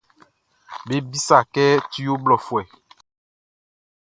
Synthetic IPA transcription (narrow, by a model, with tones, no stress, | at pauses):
be˦bi˦sa˨kɛ˦ti˦jo˦blɔ˨fwɛ˨